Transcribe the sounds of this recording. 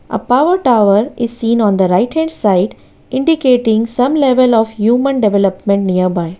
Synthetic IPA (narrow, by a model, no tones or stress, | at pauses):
ʔə̰paʋəɾʈaʊʋəɾɪzsĩːnɔ̃ːnd̪əɾaɪʈhɛ̃ɳɖsaɪɖ | ɪ̃ɳɖikeːʈɪ̃ŋɡsɐ̃mleʋəlɔːfhjuːmə̃nɖeʋɛləpmẽɳʈnijəɾbaɪ